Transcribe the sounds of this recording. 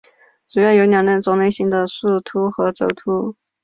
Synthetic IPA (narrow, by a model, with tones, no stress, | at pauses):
t͡su˨˩jɑ˥˩jo˧˥ʊnjɑ˨˩ŋlə˧˥˩nt͡sʊ˨˩ŋne˥ɪɕi˥ŋd̪ə˨ʂu˥˩t̪ʰu˥xɤ˧˥t͡so˧˥ʊt̪ʰu˧˥